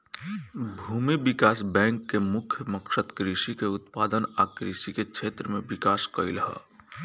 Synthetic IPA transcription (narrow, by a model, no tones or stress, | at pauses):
bʱuːmibikaːsbɛ̃ŋkːemʊkʰjəməksəd̪kɾisikeʊt̪pad̪ənakɾḭsikekʃʰet̪ɾəmebikaːskəilɦə̰